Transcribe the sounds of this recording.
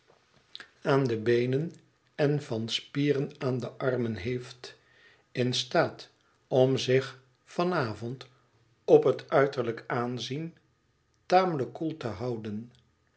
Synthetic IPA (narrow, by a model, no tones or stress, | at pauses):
aːndəbejnən | ɛnvɑnspiːrənaːndəʔɑrmənɦejft | ɪnstaːt | ɔmzɪχ | fɑnaːvɔnt | ɔpɦətœɥtəɹləkaːnzin | taːmələkːulˠtəɦɑwdən